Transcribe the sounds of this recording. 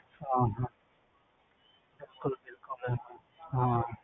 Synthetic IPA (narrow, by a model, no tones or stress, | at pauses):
ãːɦã | bɪlkʊlbɪlkʊl | ɦã